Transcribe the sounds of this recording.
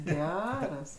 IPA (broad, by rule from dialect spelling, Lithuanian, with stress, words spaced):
ˈɡʲæːrɐs